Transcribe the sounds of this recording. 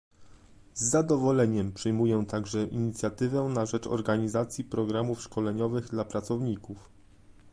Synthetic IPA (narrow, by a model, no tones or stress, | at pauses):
zːad̪ɔvɔlɛɲɛmpʂɘjmujɛt̪aɡʐɛʔiɲit̪sʲjat̪ɘvɛnaʐɛt͡ʂɔ̰ɾɡaɲizat̪sʲjipɾɔɡɾamufʂkɔlɛɲɔvɘɣd̪lapɾat̪sɔvɲikuf